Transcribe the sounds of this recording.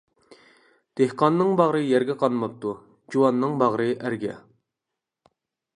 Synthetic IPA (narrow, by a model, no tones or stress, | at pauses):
d̪̥ehqɑnːɨŋbɑʁɾɨjæɾɡʲɛqʰɑnˠmɑp̚t̪u | d͡ʒuwɑnːɨŋbɑʁɾɨʔæɾɡʲɛ̰